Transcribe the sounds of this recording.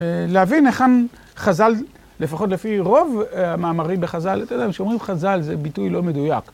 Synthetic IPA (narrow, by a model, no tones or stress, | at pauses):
leavineχan | χazal | lefaχo̞t̬le̞fiʁo̞vamaːmaʁimbe̞χazalat̪ed̪aimʃeomʁimχazalzebitujlo̞me̞dujak